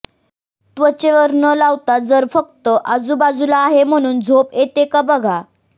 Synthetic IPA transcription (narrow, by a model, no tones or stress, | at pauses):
t̪ʋət͡ɕeʋəɾnəlawt̪ad͡zəɾfək̚t̪əʔad͡zuːbad͡zulaːɦem̤əɽ̃uːnd͡zʱopet̪ekabəɡʱa